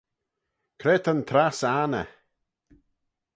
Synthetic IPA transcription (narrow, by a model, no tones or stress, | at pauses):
kʰɾeːt̪ʰənt̪ʰɾasanə̰